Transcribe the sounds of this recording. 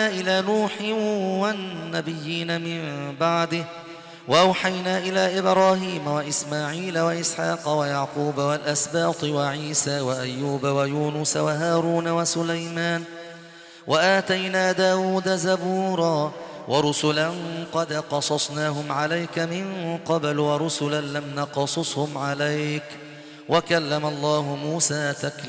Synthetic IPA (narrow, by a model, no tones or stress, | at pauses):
ʔɪlaːnuːħɪwanːabɪjːiːnamɪmbaʕd̪ɪh | wʔaʔawħajnaːʔɪlaːʔɪbɾɑːɦiːmawaʔɪsmaːʕiːlawaʔɪsħɑːqɑwajaʕquːbawalʔasbɑːt̪ɨwaʕiːsaːwaʔajːuːbawajuːnʊsawaɦaːɾuːnawasʊlajmaːn | wʔaʔaːt̪ajnaːd̪aːwuːd̪azabuːɾˤɑː | wʔɑɾˤʊsʊlanqɑd̪qɑsˤɑsˤnaːɦʊmʕalajkamɪnqɑblwɑɾˤʊsʊlanlamnɑqɑsˤɨsˤhʊmʕalajk | wakalːamalˤːɑːɦʊmuːsaːt̪akl